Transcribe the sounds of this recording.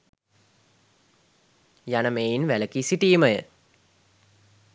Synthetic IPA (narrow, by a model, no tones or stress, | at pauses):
janəmeːinʋæləkisiʈiːməjə